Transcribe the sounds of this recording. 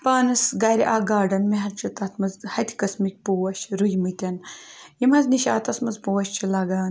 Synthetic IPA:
pɐːnɨsɡɐɾiʔaːɡaːɖɐnmeɦɐt̪t͡ʃʰit̪ɐt̪ʰmɨzhɐt̪ʲʰi̥kɐsmik̚ʲpuwɐʃɾujmɨt̪ʲɐnjimɐzniʃaːt̪ɐsmɐzpuwɐʃt͡ʃʰilɐɡaːn

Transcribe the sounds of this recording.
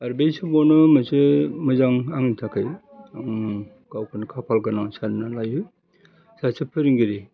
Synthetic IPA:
aɾbejsɯbɔnɯmasemɯzaŋaŋitʰakʰaj | aŋ | kawkʰɯnkʰapʰalkanaŋsannalajɯ | sasʰɯpʰɯɾiŋɡiɾi

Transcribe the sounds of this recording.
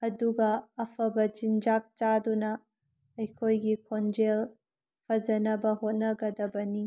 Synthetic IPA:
ɐduɡɐːpʰɐbɐd͡ʒind͡ʒak̚t͡ʃadunɐː | jkʰojɡikʰond͡ʒel | pʰɐzɐnɐbɐɦot̚nɐɡɐdɐbɐni

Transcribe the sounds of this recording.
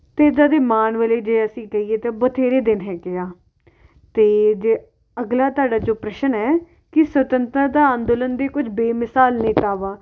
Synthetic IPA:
t̪eːd͡ʒ̪aːd̪eːmaːnʋeːleːd͡ʒeːəsĩːkəiːeːt̪eːbət̪ʰeːɾeːd̪ɪnɦɛːɡeaː | t̪eːd͡ʒeː | əɡlaːt̪ʊaːɖaːd͡ʒoːpɾəʃənɛː | kɪsʋət̪ənt̪əd̪aːənd̪ʊlənd̪eːkʊd͡ʒbeːmɪsaːlnẽːt̪aːʋaː

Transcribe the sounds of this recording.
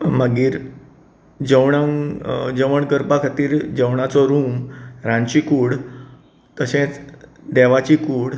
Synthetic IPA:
məɡiːɾ | d͡ʑəwɳa | d͡ʑəʋəɳkəɾpakʰat̪iːɾd͡ʑəwɳat͡sɔɾuːmɾãnt͡ɕikuːɽ | k̪əɕẽt͡s | d̪ɛʋat͡ɕiːkuːɽ

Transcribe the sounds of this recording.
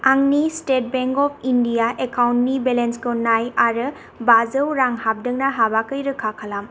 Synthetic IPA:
aŋnistet̚beŋkɔpʰindijaʔekawntnibelenskɯnajaɾɯ | bazəwɾaŋhap̚dɯŋnaɦabakɯjɾɯkʰakʰalam

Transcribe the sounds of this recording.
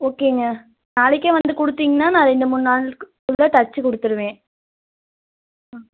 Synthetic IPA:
oːkeːŋɡɐ | naːɭɪkːẽʋɐnd̪ɯkɔɽɯt̪ːiːŋɡɐnːaːnãːɾɛnd̪ɯmʊnːaːɭkɯɭːɐt̪ɐt͡ʃːɯkɔɽɯt̪ːɯɾɯʋẽː

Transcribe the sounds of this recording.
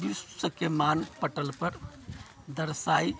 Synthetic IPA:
bissəkemanpəʈəlpəɾ | d̪əɾsai

